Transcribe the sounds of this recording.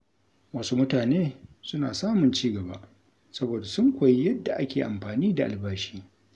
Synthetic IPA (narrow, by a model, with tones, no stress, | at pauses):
wɐ˦su˦mʊ˦taː˨neː˦sʊ˦naː˨saː˦mʊ˨nt͡ʃiː˦ɡɐ˨ba̰˦ʔ | sɐ˦boː˨da˨sʊ˦ŋkʷa˨ji˦jɐ˦dːa˨ʔa˦kʲeː˨ʔa̰˨mɸaː˨niː˦da˨ʔa˨lbaː˦ʃiː˦